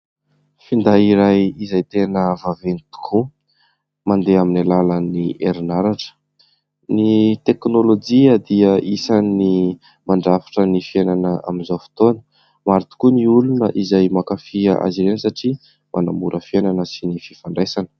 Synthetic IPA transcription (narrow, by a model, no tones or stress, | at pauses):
find̪aiɾajizajt̪enəvavenit̪u̥kʰu | mand̪eaminalaləniʔeɾinaɾaʈ͡ʂə̥ | nit̪eknolod͡ʒiəd̪iəʔisani | maɳɖ͡ʐafi̥ʈ͡ʂənifienanəʔa̰minzowfi̥t̪onə̥ | maɾit̪u̥kuniulunəʔizajmakafiəʔa̰ziɾensaʈ͡ʂi | mʔanambuɾʔəfienanəsinififaɳɖ͡ʐajsanə̥